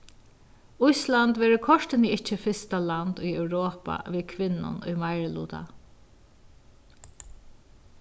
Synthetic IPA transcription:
ʊjslant̪ʋɛːɾʊkʰɔʂt̪ɪniɪht͡ʃːɪfɪst̪aland̪ʊjœwɾoːpa̰ʋiːðkʰʋɪnːʊ̰nʊ̰jmajɹlṵːt̪a̰

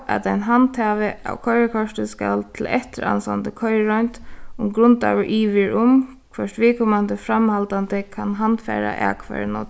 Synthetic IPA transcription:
ʔa̰t̪aɪjnɦant̪haːʋɪʔawkʰɔʏɾəkʰɔʂt̪ɪskalt̪ʰɪlɛht̪ɪɾa̰nsa̰nt̪əkʰɔʏɹɾɔjnt̪ʊmɡɾʊnt̪a̰ʋɪɹʔiːʋɪɹʊm | kʰʋœʂt̪ʋiːkʰɔmand̪əfɾamhalt̪ant̪ɪkʰanɦant̪fɛ̰ːɾa̰ʔaːkʰʋa̰ɹnɔt̪

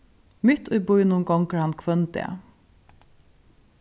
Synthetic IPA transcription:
mɪt̪ʊjbʊjnʊŋɡɔŋkɾhankʰvœnt̪ɛ̰

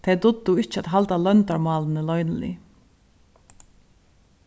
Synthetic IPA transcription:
t̪ʰɛt̪ʊd̪ːʊɪt͡ʃəæt̪ɦalt̪alœnt̪aɹmɑːlnəlɔjnəlɪ̰

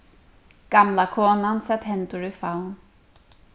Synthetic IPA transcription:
ɡ̥amlakʰoːnansɛt̪hɛnt̪ʊɹifawn

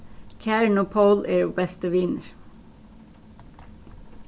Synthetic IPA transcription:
kʰæɹɳ̩oːpʰəʊlʔeːɹoːbɛst̪əʋɪnəɹ

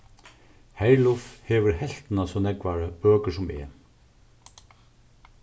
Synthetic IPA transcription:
hæɪlʊfhɛːʋəɾhɛl̥t̪nasɔːnɛkʋaɾəbøːkəʂʊmɛ̰ː

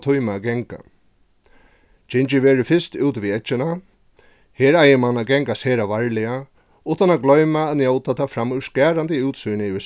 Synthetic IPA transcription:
t̪ʰujmaɡɛŋka̰ | t͡ʃɪnt͡ʃɪʋeːɾʏfɪst̪uːt̪ʋiːɛt͡ʃːɪna | heːɾajɪmanːaɡɛŋkaseːɾaʋaɹlɪa | uːt̪anaɡlɔɥmaːðnjowt̪at̪ʰafɾamːʉskæːɾant̪ɪuːt̪sujnɪɪʋɪs

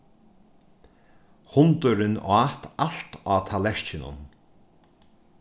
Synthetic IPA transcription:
hʊnt̪ʊɾɪnaːt̪al̥t̪aːt̪ʰalɛɹt͡ʃɪnʊ̰n

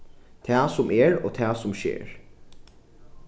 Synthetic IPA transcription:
t̪ʰæːsʊmʔɛːɹo̰ːt̪ʰæːsʊmʃḛːɹ

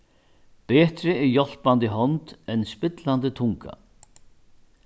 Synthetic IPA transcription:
pɛːt̪ɾɪɛɾjɔl̥pant̪ɪɦɔnt̪ɛnspɪt̪land̪ɪt̪ʰʊŋka̰

